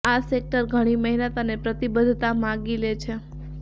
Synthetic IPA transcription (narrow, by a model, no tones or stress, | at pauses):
asek̚ʈəɾɡʱəɽ̃iməɦinət̪ənepɾət̪ibəd̪ʱt̪amãɡilet͡ʃʰe